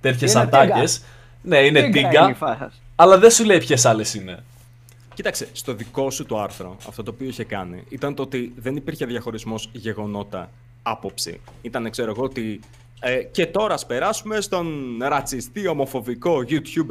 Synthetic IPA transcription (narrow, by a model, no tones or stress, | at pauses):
t̪et̪ʰçesɐnd̪ɐes | ne̞inet̪iɡɐ | ɐlɐðesule̞ipçe̞sɐle̞sine̞ | ci̥t̪ɐkst̪est̪o̞ðiko̞sut̪uɐɾθɾo̰ɐ̰ft̪o̞t̪oːpio̞içekɐnḭit̪ɐnt̪oot̪iðe̞nipiɾçe̞ðʝɐxo̞ɾizmo̞zʝe̞ɣo̞no̞t̪ɐ | ɐpo̞psḭit̪ɐnekse̞ɾo̞eɣo̞ot̪i | ece̞t̪o̞ɾɐːspe̞ɾɐsume̞st̪o̞nɾɐt͡sist̪io̞mo̞fo̞viko̞ʝut̪çub